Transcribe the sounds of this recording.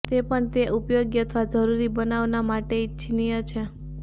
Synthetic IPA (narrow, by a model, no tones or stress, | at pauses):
t̪epəɳt̪eʔupjoɡjət̪ʰʋad͡ʒəɾuɾibənaʋnamaʈet͡ʃʰinijət͡ʃʰe